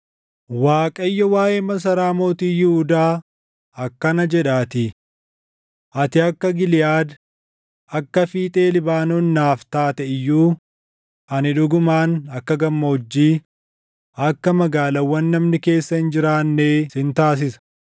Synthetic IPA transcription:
waːkʼɐjːɔwaːʔeːmɐs̬ɐɾaːmoːt̪iːjɪhʊd̪aː | ɐkːɐnɐd͡ʒɛᶑaːt̪ɪ | ʔɐt̪ɪɐkːɐɡɪlɪjaːd̪ | ɐkːɐfiːt̪ʼe̞ːlɪbaːnoːnːaːft̪aːt̪ɛɪjːuː | ɐnɪᶑʊɡʊmaːnɐkːɐɡɐmːɐhɔd͡ʒːiː | ɐkːɐmɐɡaːlɐwːɐnːɐmnɪke̞ːsːɐɪnd͡ʒɪɾaːnːeːsɪnt̪aːs̬ɪsɐ̥

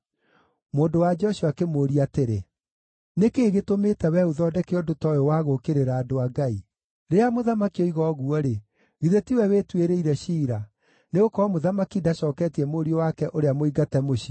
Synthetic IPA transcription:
moːndowad͡ʒɔʃuakemoːɾiateɾe | nekeːɣetometɛwɛuðɔdɛkeɔdotɔjɔwaɣokeɾeɾaːdoaɡai | ɾeamoðamakioiɣɔɣuɔɾe | ɣiðetiwɛwetweɾeiɾɛɕiːɾa | neɣokɔmoðamakidaʃɔːkɛtiɛmoɾiɔwakɛʔoɾeamoiɡatɛmoʃi

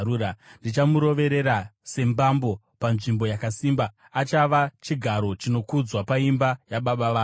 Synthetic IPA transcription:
uːandit͡ʃamuɾo̞ʋe̞ɾe̞ɾase̞mbambo̞ | panʐimbo̞jakasiːmbaː | t͡ʃaʋat͡ʃiɡʱaɾo̞t͡ʃino̞kud͡zwapaimbajaɓaɓaʋaː

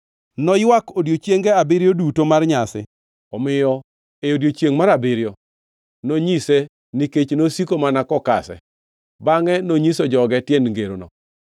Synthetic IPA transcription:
nɔjwakodjot͡ʃjeŋɡɛabɪɾjodutomarɲasɪ̰ | ɔmɪjɔ | eodjot͡ʃjeŋmaɾabɪɾjɔ | noɲise | niket͡ʃnosikomanakɔka̰sɛ̰ | baŋɛnoɲisod͡ʒɔɡɛtjɛnŋɡeɾonɔ̰

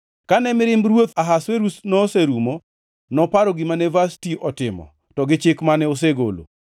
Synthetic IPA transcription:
kanɛmɪɾɪmbɾwot̪aɦasweɾusnɔːseɾumo | nɔpaɾɔɡɪmanɛvastiʔɔtɪmɔ̰ | tɔɡɪt͡ʃɪkmanɛos̬eɡo̰lo̰

